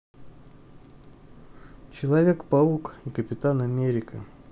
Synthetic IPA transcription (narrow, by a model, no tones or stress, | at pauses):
t͡ɕɪlˠɐvʲe̞kpɐukikəpʲɪt̪anɐmʲeɾʲɪkə̰